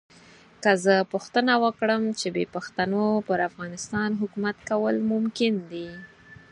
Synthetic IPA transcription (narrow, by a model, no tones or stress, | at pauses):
kəzəpʊxt̪ənawəkɽəmt͡ʃebepaxt̪anopəɾafɣɑnɪst̪ɑnɦʊkumat̪kawəlmʊmkɪnd̪i